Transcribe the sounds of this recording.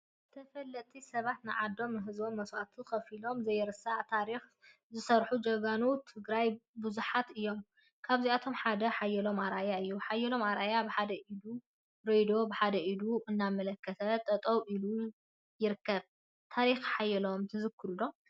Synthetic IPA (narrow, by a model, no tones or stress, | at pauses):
ɨt̪ʰɐfɐlːɐt̪ʰʼːisɐβat̪nɨʕad̪o̞mnɨɦɨzbo̞mːɐswat̪ʰuxɐfilo̞mzɐjɛɾɨsaʕt̪ʰaɾix | zɨsɐɾħud͡ʒɐɡanut̪ʰɨɡɾajbuzuħat̪ɨjːo̞m | kʰaβziat̪ʰo̞mħad̪ɐħajːɛlo̞maɾajaɨjːuħajːɛlo̞mʔaɾʔajabɨħad̪ɐʔid̪u | ɾojd̪o̞bɨħad̪ɐʔid̪uʔɨnːamːɐlɐkʰːɐt̪ʰɐt̪ʼɐt̪ʼɐwʔilu | jɪɾɨkːɐβ | t̪ʰaɾixħajːɛlo̞mt̪ʰɨzɨkːɨɾulo̞m